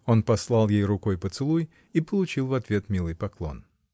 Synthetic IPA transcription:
o̞npɐslˠɑlˠjejɾʊkojpət̪sɨlˠuj | ipəlˠʊt͡ɕilˠvɐt̪vʲe̞t̪mʲilˠɨjpɐklˠo̞̰n

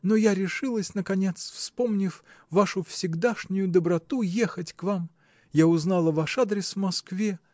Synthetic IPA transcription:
nojaɾʲɪʂɨlˠəsʲnəkɐnʲe̞t̪sfspo̞mnʲɪf | vaʂʊfsʲɪɡd̪aʂnʲʊjʊd̪əbɾɐt̪ujexətʲkvam | jaʊznalˠəvaʂad̪ɾʲɪsvmɐskvʲe

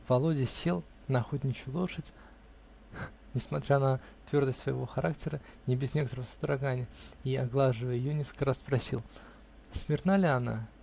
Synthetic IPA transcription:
vɐlˠo̞dʲɪsʲe̞lˠ | nɐxotʲnʲɪt͡ɕʊlˠo̞ʂɨtʲ | nʲɪsmɐt̪ɾʲanə | t̪vʲo̞rd̪əsʲt̪ʲsvəjɪvo̞̰xɐɾʔak̚tʲɪɾənʲɪbʲɪznʲe̞kət̪əɾəvəsə̥d̪ɾɐɡanʲɪjəiɐɡlˠaʐɨvəjəjɪjonʲeskə̥kəɾaspɾɐsʲḭlˠ | smʲɪrnalʲɪɐna̰

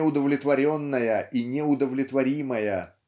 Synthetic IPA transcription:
ʊd̪əvlʲɪt̪vɐɾʲonːəjəʔinʲɪʊd̪əvlʲɪt̪vɐɾʲiməjə

